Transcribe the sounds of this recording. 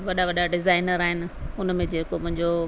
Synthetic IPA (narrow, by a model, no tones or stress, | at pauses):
ʋɐɗaʋɐɗaɖɪzaːɪnəɾaːɦɪnɪ̆ʊnmẽd͡ʑeːkomʊ̃ɦɪ̃ɲd͡ʑo